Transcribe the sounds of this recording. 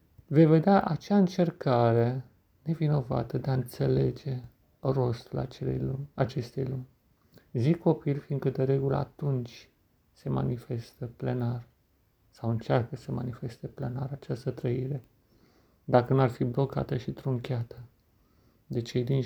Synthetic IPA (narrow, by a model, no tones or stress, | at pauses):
ve̞jve̞d̪eaʔat͡ʃaɨnt͡ʃe̞rkaɾe̞ | ne̞vino̞va̰t̪əd̪e̞aɨnt̪se̞le̞d͡ʒe̞ | ro̞st̪ula̰t͡ʃeḛat͡ʃe̞st̪ḛjlunʲ | zikʰːo̞pilʲfin̚kəd̪eɾe̞ɡulə̰a̰t̪unt͡ʃʲ | se̞ma̰nife̞st̪əplenar | sawɨnt͡ʃarkəsəmanife̞st̪eple̞naɾat͡ʃast̪ət̪ɾəiɾe̞ | d̪akənuarfiblo̞ka̰t̪əʃit̪ɾuŋkʲeat̪ə | d̪e̞t͡ʃe̞jd̪in